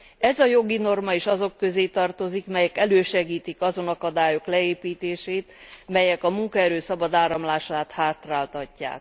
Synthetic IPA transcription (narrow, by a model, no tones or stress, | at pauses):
ɛzɒjo̞ɡino̞rmɒeːʃɒzo̞kːø̞zeːt̪ɒrt̪o̞zikmɛjɛkɛløːʃɛɡiːt̪ikɒzo̞nɒkɒd̪aːjo̞klɛeːpiːt̪eːʃeːt̪mɛjɛkɒmuŋkɒɛɾøːsɒbɒd̪aːɾɒmlaːʃaːt̪haːt̪raːlt̪ɒcːa̰ːk